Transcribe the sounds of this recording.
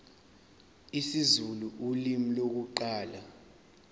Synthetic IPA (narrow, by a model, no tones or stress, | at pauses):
isizuluʔulimilok̬uǃaːla